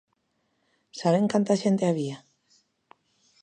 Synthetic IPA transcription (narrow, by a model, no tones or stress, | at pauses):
saβeŋkant̪aʃent̪eaβia